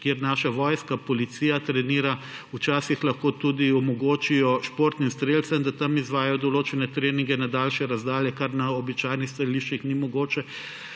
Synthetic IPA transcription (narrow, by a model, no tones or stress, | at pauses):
kjeːɾnaːʃaʋɔːjskapɔlit̪siːjat̪ɾɛniːɾa | ut͡ʃaːsixlɐxkoːt̪ud̪iɔmɔɡoːt͡ʃijɔʃpoːɾt̪nimst̪ɾeːlt̪sɐmd̪at̪amizʋaːjajɔd̪ɔloːt͡ʃɛnɛt̪ɾeːniŋɡɛnad̪aːlʃɛɾazd̪aːljɛkaɾnaɔbit͡ʃajnixst̪ɐɾiliʃt͡ʃixnimɔɡoːt͡ʃɛ